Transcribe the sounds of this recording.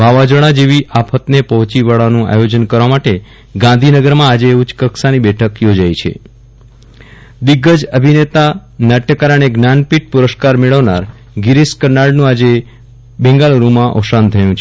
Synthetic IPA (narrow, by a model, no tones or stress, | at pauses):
bʱaʋad͡ʒəɽ̃ad͡ʒeʋiʔapʰət̪nepəɦt͡ʃiʋaɭanũa̰jod͡ʒənkəɾʋamaʈe | ɡãnd̪ʱinəɡəɾmãːd͡ʒeut͡ʃkəksanibɛʈʰəkjod͡ʒait͡ʃʰḛ | d̪ɪɡːəd͡ʒəbʱinet̪anaʈjəkaɾəɳeɡnanpiʈ̚puɾəskaɾmeɭəʋna̰ɾ | ɡɪɾiskənaɭɖnũad͡ʒe | bɛ̃ŋɡaloɾumãʔɔ̰ʃant̪ʰəjũt͡ʃʰe